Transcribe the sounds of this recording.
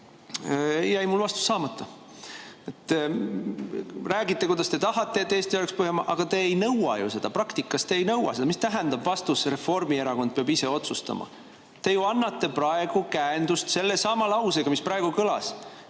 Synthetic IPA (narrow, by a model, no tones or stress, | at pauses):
jæjmulvɑst̪u̥sːɑːmɑt̪ːˑɑ | et̪ː | ræːɡit̪ːˑe̞kujd̪̥ɑst̪e̞t̪ɑɦɑt̪ːˑe̞et̪ːˑeːst̪ioekspɯɦemɑʔɑɡ̥ɑt̪e̞ːjnɤwɑ̰jṵse̞d̪̥ɑprɑkt̪ikːˑɑst̪eːjnɤwɑ̰se̞d̪ɑmist̪æɦænd̪̥ɑbvɑst̪usre̞fo̞rmie̞ɾɑko̞n̚peɑbise̞o̞t̪sust̪ɑ̰mʔɑ̰ | t̪e̞juɑnːɑt̪ːˑe̞prɑe̞ɡ̥ukæend̪ust̪se̞lːesɑmɑlɑwseɡ̥ɑmisprɑe̞ɡ̥ukɤlɑ̰s